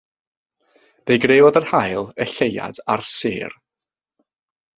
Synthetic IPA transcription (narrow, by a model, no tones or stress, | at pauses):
d̥ejɡreːvɔðərhajlˠɛɬeja̰darsɪ̰ːr